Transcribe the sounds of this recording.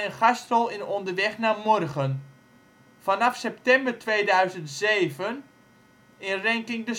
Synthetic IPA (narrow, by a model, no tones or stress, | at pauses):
ənχɑstɔlˠɪnɔndərʋɛχnaːmɔrχən | fanɑfsɛp̚tɛmbərtʋeːdœɥzəntzeːvən | ɪnrɛŋkɪŋdə